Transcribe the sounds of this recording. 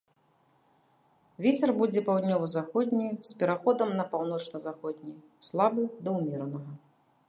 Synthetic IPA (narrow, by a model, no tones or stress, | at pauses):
vʲɛt͡sʲɛrbud͡zʲɛpawd̪ʲnʲɔvɨzaxɔd̪ʲnʲijspʲɛɾaxɔd̪ɐmnɐpawn̪ɔt͡ʂnɐzaxɔd̪ʲnʲij | slˠabɨd̪ɐwmʲɛɾɐnɐɣɐ